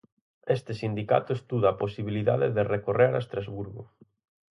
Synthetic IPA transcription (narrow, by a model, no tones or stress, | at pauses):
est̪ɪsind̪ika̰t̪ʊest̪uðaːposiβiliða̰ðeðerekoreɾaest̪ɾazβuɾɣʊ̰